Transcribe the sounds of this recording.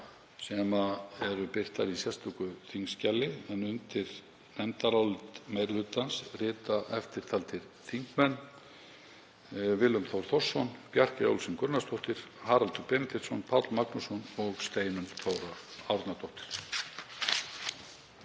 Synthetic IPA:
sɛmaɛɾʏpɪr̥t̪aɾisjɛst̪ɔkʏθiŋkscɛlːɪɛnʏnt̪ɪɾ | nɛnt̪aɾawlt̪mejɾlʏːt̪ansrɪːt̪aʔɛft̪ɪɾ̥t̪ʰalt̪ɪɾ̥ | θiŋkmɛnː | vɪlʏmθowɾ̥θɔ̥sːɔnpjar̥cɪo̰wlsɪnkʏɾnast̪ʰɔht̪ɪɾ̥haːɾalt̪ʏpɛːmɪt̪ʰɛt̪sɔnpʰawt̪lmaknusɔnɔɣst̪eːjnʏmθowɾaawɾt̪nat̪ʰɔht̪ɪ̥ɾ̥

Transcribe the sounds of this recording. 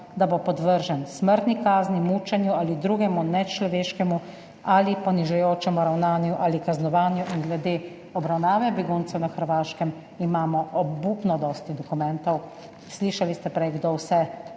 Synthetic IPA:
d̪abopɔd̪ʋəɾʒɛnsməɾt̪nikaːznimuːt͡ʃɛnjuaːlid̪ɾuːɡɛmunɛt͡ʃlɔʋeːʃkɛmu | aːlipɔniʒɛjoːt͡ʃɛmuɾawnaːnjuʔaːlikaznɔʋaːnjuʔinɡlɛd̪eː | ɔbɾawnaːʋɛbɛɡunt̪sɛwnaxəɾʋaːʃkɛm | imaːmɔʔɔbuːpnɔd̪ɔːst̪id̪ɔkumɛnt̪ɔw | sliːʃalist̪ɛpɾɛjɡd̪owsɛ

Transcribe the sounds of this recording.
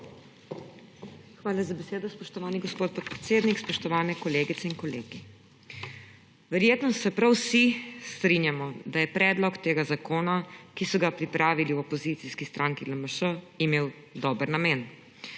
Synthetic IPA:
xʋaːlazabɛseːd̪ɔspɔʃt̪ɔʋaːniɡɔspoːt̪̚pɔt̪̚pɾɛt̪seːd̪nikspɔʃt̪ɔʋaːnɛkɔleːɡit̪sɛiŋkɔlḛːɡi | ʋɛɾjeːt̪nɔsɛpɾawsist̪ɾinjamɔd̪ajɛpɾɛːd̪lɔkt̪eːɡazakoːnakisɔɡapɾipɾaːʋiliwɔpɔzit̪siskist̪ɾʔaːŋkiləməʃə | imeːw | d̪ɔbəɾnameːn

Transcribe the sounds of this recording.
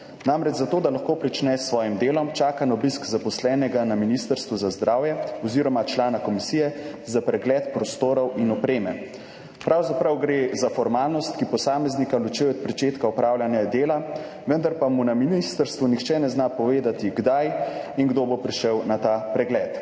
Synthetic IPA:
namɾɛd͡ʒzat̪oːd̪alaxkoːpɾit͡ʃnɛsːʋɔːjimd̪eːlɔmt͡ʃaːkanaɔbiskzapɔslɛːnɛɡanaminist̪əɾst̪ʋuzazd̪ɾaːwjɛɔziɾɔmat͡ʃlaːnakɔmisiːjɛzapɾɛɡlɛːt̪pɾɔst̪oːɾɔwinɔpɾeːmɛ | pɾawzapɾawɡɾezafɔɾmaːlnɔst̪kipɔsaːmɛznikalut͡ʃijɔt̪̚pɾɛt͡ʃeːt̪kaɔpɾaːwljanɛɡad̪eːla | ʋənd̪aɾpamunaminist̪əɾst̪ʋunixt͡ʃɛnɛznapɔʋeːd̪at̪iɡd̪ajiŋɡd̪obopɾiʃəwnat̪apɾɛɡlɛːt̪

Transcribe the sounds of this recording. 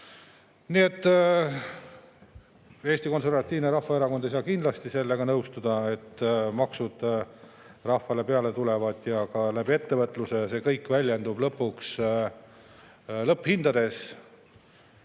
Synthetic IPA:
nie̞t̪ːˑ | e̞ːsʲt̪iko̞nse̞rvɑt̪ʲːˑiːvneɾɑhːɑeɾɑko̞nd̪ejsɑːkind̪lɑst̪ise̞lːe̞ɡ̥ɑnɤwst̪ud̪̥ɑe̞t̪ːmɑksud̪̥ | rɑhfːɑle̞pe̞ɑle̞t̪ule̞vɑd̪̥jɑkɑlæbie̞t̪ːe̞vɤt̪ːˑluse̞se̞ːkɤjkːˑvælʲjend̪ub̥lɤpːuks | lɤpːhind̪̥ɑd̪e̞s

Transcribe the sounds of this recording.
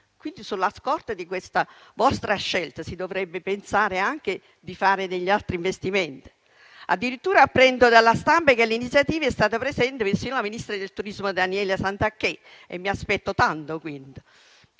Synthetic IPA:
kwind̪isulːaskɔrt̪ad̪ikwest̪avɔst̪ɾaʃːɛlt̪asid̪ovɾɛbːepensaːɾeaŋk̟e | d̪ifaːɾed̪eʎːialt̪ɾiɱvest̪imɛnt̪i̥ | a̰d̪ːiɾit̪ːuːɾaːpːɾɛnd̪od̪alːast̪ampakelːinit̪sjat̪iːvaɛst̪aːt̪apɾezɛnt̪epensiːnlaminist̪ɾad̪elt̪uɾizmod̪anjɛːlasant̪akːe | ḛmːiaspɛt̪ːot̪ant̪okwind̪

